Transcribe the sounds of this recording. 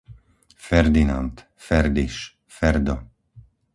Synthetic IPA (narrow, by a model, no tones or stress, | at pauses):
fɛɾd̪inant̪ | fɛɾd̪iʃ | fɛɾd̪ɔ